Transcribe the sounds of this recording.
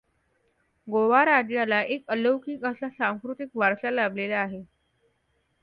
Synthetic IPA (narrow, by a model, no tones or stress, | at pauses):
ɡoʋaɾad͡ʑjalaʔekələwkiːkəsasãŋskɾut̪ik̚ʋʱaɾsalablelaːɦe